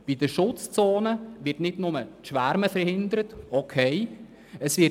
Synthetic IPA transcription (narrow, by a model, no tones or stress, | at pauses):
b̥idəʃʊt͡st͡soːnəʋɪtnɪdnʊmətʃʋæɾməfəɾhɪndəɾətokʰɛɪ | əsʋɪ